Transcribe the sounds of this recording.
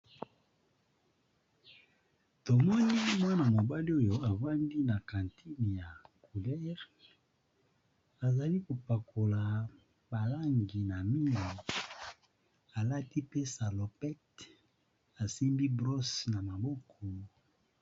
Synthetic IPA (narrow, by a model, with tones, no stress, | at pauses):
to˨mɔ˦ni˦mwa˦na˨mo˨ba˦li˦o˦jo˨a˨va˦ndi˦na˨kã˨ntʰi˦n˨ja˨ku˨lɛ˦ʁ | a˨za˨li˦ko˨pa˨kʰo˨la˨ | ba˨la˦ŋɡi˨na˨mi˦li˨ | a˨la˦ti˦pe˦sa˨lo˨pɛ˦t | a˨si˦mbi˦bʁo˦sna˨ma˨bɔ˦kʰɔ˨